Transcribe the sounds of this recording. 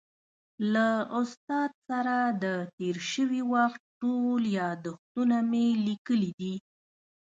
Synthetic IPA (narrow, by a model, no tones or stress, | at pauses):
laʊst̪ɑd̪̚saɾad̪ət̪eɾʃəwiwaxt̪̚ʈoljɑd̪ʊxt̪unamelikəlid̪i